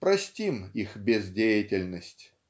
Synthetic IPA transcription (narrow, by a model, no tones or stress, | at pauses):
pɾɐsʲtʲimixbʲɪzdʲejɪtʲɪlʲnəsʲtʲ